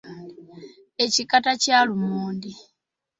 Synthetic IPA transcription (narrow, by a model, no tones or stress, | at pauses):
e̞cikatacalumuːndi